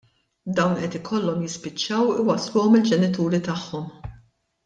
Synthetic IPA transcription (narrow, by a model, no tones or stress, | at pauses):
d̪ɐwnʔɛt̪ɪkʰɔlːɔmjɪspɪt͡ʃːɐwɪwɐsluːɔmɪld͡ʒɛnɪt̪uːɾit̪ɐħːɔm